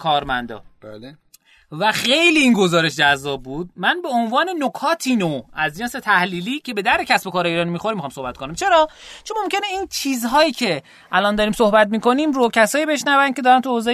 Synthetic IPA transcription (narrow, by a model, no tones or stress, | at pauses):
kʰɒːɾmæ̰nd̪ɒ̰b | væxe̞jliːnɡo̞zɒːɾe̞ʃd͡ʒæzːɒːb̚ːbuːd̪̚mænbe̞onvɒːne̞nokʰɒːt̪ʰinoæzd͡ʒenset̪ʰæhliːliːcʰe̞be̞d̪æɾd̪ecʲʰæsbokʰɒːɾɒjeiːɾɒːnimiːxoɾimːixɒːmsohbæt̪̚konæmt͡ʃʰe̞ɾɒːt͡ʃʰonmomcʰe̞neiːnt͡ʃʰiːzɦɒːjiːcʰe̞ | ʔælɒnd̪ɒːɾiːmsohbæt̪̚miːko̞niːmɾocʰæsɒːjiːbe̞ʃnævænkʰe̞d̪ɒːɾænt̪ʰuozɒː